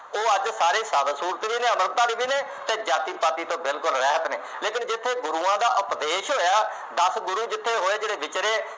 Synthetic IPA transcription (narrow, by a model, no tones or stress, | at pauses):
oːəd͡ʒsaːɾeːsaːbəsuːɾt̪ʋiːneːəməɾt̪aːbiːbiːneː | t̪ẽːd͡ʒaːt̪iːpaːt̪iːt̪õːbɪlkʊlɾɛːɦət̪neːleːkɪnd͡ʒɪt̪ʰːeːɡʊɾuːãːd̪aːʔʊpd̪eːʃɦoːjaː | d̪əsɡʊɾuːd͡ʒɪt̪ʰːeːɦoːeːd͡ʒeːɽeːbɪt͡ʃɾeː